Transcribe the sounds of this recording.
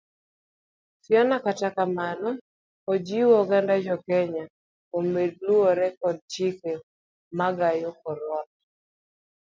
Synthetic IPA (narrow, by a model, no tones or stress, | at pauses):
sjɔnakatakamanɔ | od͡ʒiwɔɡandad͡ʒɔkɛɲa | omed̚luɔɾɛkɔd̚t͡ʃike | maɡajokɔɾɔt